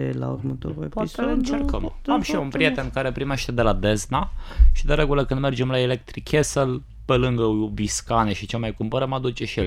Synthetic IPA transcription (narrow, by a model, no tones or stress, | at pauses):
la̰ṵrmət̪o̰ɾup̪ɨnt͡ʃerkəmamʃiunpɾije̞t̪e̞nkaɾe̞pɾime̞ʃt̪e̞d̪e̞lad̪e̞znaʃid̪eɾe̞ɡuləkɨnd̪me̞rd͡ʒe̞mlaelek̚t̪ɾikʲʰesəl | pe̞lɨŋɡəoviskaneʃit͡ʃelmajkumpəɾəmad̪ut͡ʃe̞ʃiel